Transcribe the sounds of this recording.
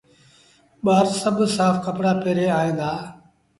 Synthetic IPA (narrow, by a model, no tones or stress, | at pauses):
ɓaːɾsəbsaːfkəpɽaːpeːɾeːaːɦẽːnd̪aː